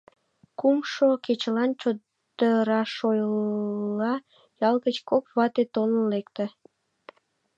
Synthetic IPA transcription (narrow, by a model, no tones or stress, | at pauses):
kumʃoket͡ɕəlɑnt͡ɕo | d̪̥əɾɑʃojlːɑ | jɑlɣət͡ɕkokβɑt̪et̪onəlekt̪ə